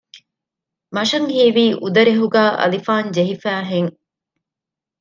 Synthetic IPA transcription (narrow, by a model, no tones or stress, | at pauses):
mɐʃɐŋhiːʋiːʔud̪ɐɾeɦuɡæːʔɐ̰lifaːɲd͡ʒeɦifæːɦeŋ